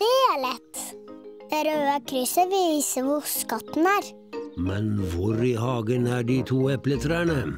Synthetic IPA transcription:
d̪̥eæːɭɛt̪ːd̪̥eɾøːəkʰɾʏsəʋiiːsəʋʊskɑt̪n̩æːɾ | mɛnʋʊɾiːɦɑːɡənæːɖiːt̪ʰuːɛplət̪ʰɾæːɳə

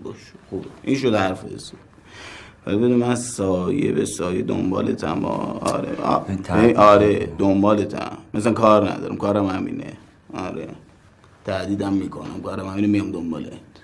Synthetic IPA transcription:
bɒʃe̥xubeinʃod̪hæɾfḛze | væ̰libed̪umænsːjḛbesɒːjed̪o̰mbɒ̰ːlet̪ʰæmɒ̰ɾḛeʔɒːɾed̪ombɒːlet̪ʰæ̰mmːæs̬ælæŋkʰɒːɾnæ̰d̪ɒ̰ːɾimkʰɒːɾæmhæmḭːnḛ | ɒɾḛ | t̪ʰæd̪iːd̪æmːiːkʰonæ̰mkɒːɾæmhæmiːnemijɒmd̪ombɒ̰ːlet̪

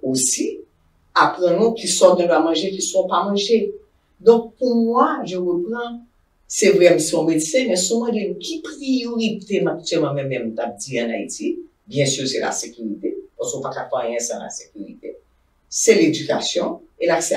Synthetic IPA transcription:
osi | apʁɐ̃nũkisɔnũpamɐ̃ʒekisɔ̃pamɐ̃ʒe | d̪ɔ̃k̚pumwaʒəʁəpɣɐ̃ | sɛvʁɛm̃siɔ̃medsɛ̃mɛ̃sumɐ̃d̪enũkʲipʁijoʁit̪emak̚tɥɛlmãmɛ̃mɛ̃m̩t̪ap̚d͡ziɐ̃naiti | bjɛ̃syʁsɛla̰sekyʁit̪epaskopakakwajɛ̃sã̰la̰sekʲyʁḭt̪e | sɛled͡zyka̰sjɔ̃elaksɛ

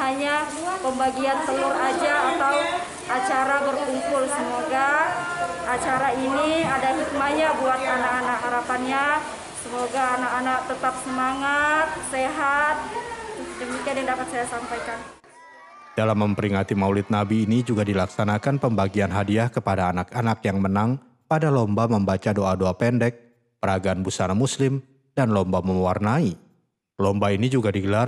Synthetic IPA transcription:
ɦaɲa | pəmbaɡiant̪əlʊrad͡ʒaːt̪aw | ʔat͡ʃaɾabərkumpʊlsəmoɡa | at͡ʃaɾainiadaɦit̪̚maɲabuat̪̚anakanakɦaɾapanɲa | səmoɡaːnakanak̚t̪ət̪ap̚səmaŋat̪̚seɦat̪̚d͡ʒaŋmikanjaŋdapat̪̚sajasampajkan | d̥alamːəmpəɾiŋat̪imaulɪt̪̚nabiːnid͡ʒuɡadilaksanakanpəmbaɡianɦadiahkəpadaːnakanakjaŋmənaŋ | padalɔmbaməmbat͡ʃadoʔadoapɛndɛk̚ | pəɾaɡaːnbusanamuslɪm | danlɔmbaməmwarnai | lɔmbainid͡ʒuɡadiɡəlar

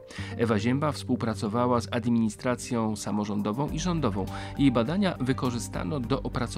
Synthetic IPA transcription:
ɛvaʑɛmbafspuwpɾat̪sɔvawazad̪mʲiɲist̪ɾat̪sʲjɔ̃w̃samɔʐɔnd̪ɔvɔ̃w̃ʔiʐɔnd̪ɔvɔ̃w̃jejbad̪aɲavɘkɔʐɘst̪a̰nɔd̪ɔʔɔpɾat̪s

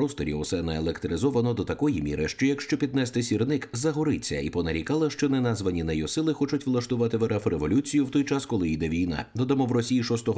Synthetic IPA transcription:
ɔst̪ɔɾʲḭʊsɛnɐelˠekt̪ɾɪzɔʋɐnɔd̪ɔt̪ɐkɔjimʲḭɾɪʃt͡ʃɔjɐkʃt͡ʃɔpʲid̪̚nɛst̪ɪsʲirnɪkzɐɦɔɾɪt͡sʲːɐ̰ipɔnɐɾʲikalˠɐʃt͡ʃɔnɛnazʋɐnʲinɐjɔsɪlˠɪxɔt͡ʃʊtʲʋlˠɐʃt̪ʊʋat̪ɪʋeɾɛfreʋɔlʲut͡sʲijʊwt̪ɔjt͡ʃaskɔlˠɪid̪ɛʋʲijna̰d̪ɔd̪ɐmɔwrɔsʲijiʃɔst̪ɔɦ

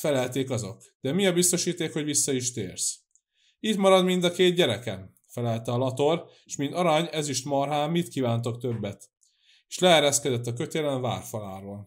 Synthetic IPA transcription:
fɛlɛlt̪eːkɒzo̞̰k | d̪̥ɛmiɒbist̪o̞ʃiːt̪eːkho̞ɟvisːɒiʃt̪ḛːrs | it̪mɒɾɒd̪mind̪ɒkeːd̪̚ɟɛɾɛkɛ̰m | fɛlɛlt̪ɛɒlɒt̪o̞r | ʃmint̪ɒɾɒɲɛziʃt̪mɒrɦaːmːit̪kiːvaːnt̪o̞kt̪ø̞bːɛt̪ | eʃlɛɛɾɛskɛd̪ɛt̪ːɒkø̞t̪eːlɛnva̰ːrfɒlaːɾoːl

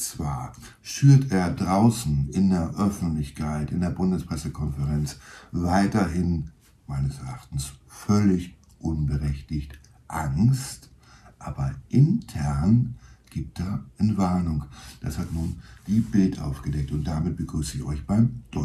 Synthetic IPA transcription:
t͡sv̥aːɐ | ʃyːɐtʰeːɐdʁaʊsn̩ɪndeːɐʔœfn̩tlɪçkʰaɪtɪndeːɐbʊndəspʁ̥ɛsəkʰɔnfəʁɛnt͡svaɪtɐɦɪn | maɪnəsɛɐʔaχtn̩sfœlɪç | ʔʊnbəʁɛçtɪçt | ʔaŋst | ʔaːbɐʔɪntʰɛɐnɡ̥iːp̚tdeːɐʔɪnvaɐnʊŋd̥ashatnuːnd̥iːbɪltʔa̰ʊfɡ̥ədɛk̚tʊnt̚d̥aːmɪt̚b̥əɡ̥ʁyːsəɪçɔ̰ʏçb̥aɪmd̥ɔ

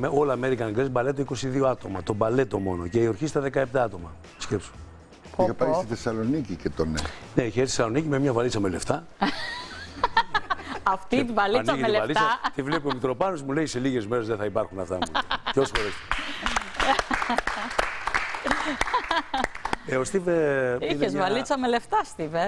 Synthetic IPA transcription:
meo̞lɐːmeɾikɐnɡɾezbɐlet̪oiko̞siðioɐt̪o̞mɐt̪obɐle̞t̪o̞mo̞no̞̰ceio̞ɾçist̪ɐðe̞kɐep̚t̪ɐɐt̪o̞mɐ | scepso̥m | pɐpɐisiθesɐlonicicet̪oneneçeɾsesɐlo̞nicimemɲɐvɐlit͡sɐmeleft̪ɐ | ɐft̪it̪ivɐlint͡sɐeleɐlit̪t͡sɐt̪ivlepiomit̪ɾo̞pɐnozmulejse̞liɣe̞zme̞ɾezðeθɐipɐɾxunɐft̪ɐmutosxoɾes | eost̪iveiezvɐlit͡sɐmeleft̪ɐst̪ive

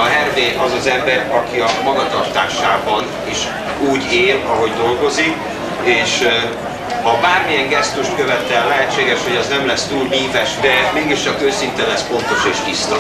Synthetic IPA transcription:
ɒɦɛrveːʔɒzɒzɛmbɛɾɒkiɒmɒɡɒt̪ɒrt̪aːʃaːbɒn | iʃ | uːɟeːlɒɦo̞ɟd̪o̞lɡo̞zik | eːʃ | hɒbaːrmijɛŋɡɛst̪uʃt̪kø̞vɛt̪ɛlːɛɦɛtt͡ʃːeːɡɛʃho̞ɟɛznɛmlɛst̪uːlɦiːvɛʃd̪ɛmeːɡiʃt͡ʃɒkøːsint̪ɛnlɛsfo̞nt̪o̞ʃeːʃb̪ist̪o

